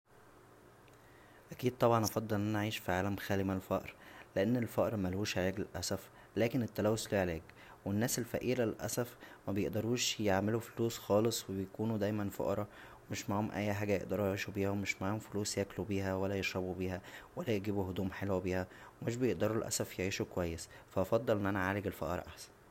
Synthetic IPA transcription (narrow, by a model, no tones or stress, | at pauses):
ʔækiːd̪̚t̪ˤɑbʕɑnʔɑfɑd̪ˤːɑlʔenʔænæʕiːʃfiʕaːlæmxæːlimælfæʔɾleʔenːelfæʔɾmælhuːʃʕalæːɡlelʔæsæf | læːkenet̪ːælæːwosliːʕaleːk | wenːæːselfæ̰ʔiːlælʔæ̰sæfmæbejeʔd̪ɑɾˤuːʃjeʕmelufoluːsxɑːlesˤwebejkuːnud̪æjmænfo̰ʔɑɾˤɑ | wemeʃmaʕomʔæ̰jːħaːɡæjḛʔd̪ɑɾˤujeʕiːʃubiːhæwemeʃmaʕomfoluːsjæklubiːhæwælːæjeʃɾˤɑbubiːhæwælːæjeɡiːbuhod̪uːmħelwæbiːhæwemeʃ̬bejeʔd̪ɑɾˤulʔæ̰sæfjeʕiːʃukwæjːesfæʔɑfɑd̪ˤːɑlʔenːʔænæʕaːleɡelfɑ̰ʔɑ̰ɾˤʔa̰ħsæ̥n